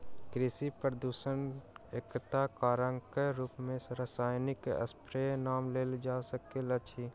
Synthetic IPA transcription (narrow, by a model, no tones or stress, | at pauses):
kɾɪsipɾəd̪uːʃənekt̪akaːɾəŋkəɾuːpmẽsɾəsaːjnɪkə̰spɾenaːmleːld͡ʒaːsəkelət͡ʃʰi